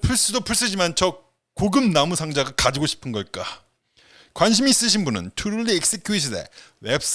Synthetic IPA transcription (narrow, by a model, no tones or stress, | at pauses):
pʰuɭs͈udopʰuɭs͈ɯd͡ʑimant͡ɕʰʌ | koɡɯmnamusʰaŋd͡ʑaɡakad͡ʑiɡoɕʰi̥pʰɯnɡʌɭk͈a | kwanɕ̬ʰimiːs͈ɯɕ̬ʰinbunɯ̰ntʰuɾuɭːiek̚s͈ekʰjuiɕʰine̞̰wep̚s